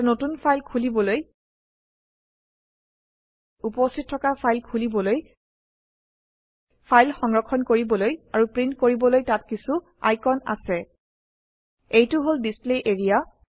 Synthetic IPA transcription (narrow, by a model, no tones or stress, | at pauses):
notunpʰajlkʰulibɔloj | upɔstʰit̚ʰːɔkapʰajlkʰulibɔloj | pʰajlxɔŋɹɔkʰːɔnkoɹibɔlojaɹupɹintkoɹibɔlojtat̚kisu | a̰jkɔna̰sɛ | ejtʊɦolbispleʔeɹija